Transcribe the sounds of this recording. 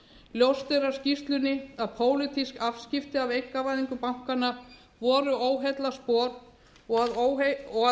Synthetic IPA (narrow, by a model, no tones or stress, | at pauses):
ljowst̪eɾḁscist̪lʏnːɪaðpʰoːwlɪt̪ʰiskav̥scɪft̪ɪavejkːavaːjðiŋkʏpawŋ̥kanːa | vɔːɾʏʔoːwɦɛt̪laspɔːɾ | ɔɣaðwɔa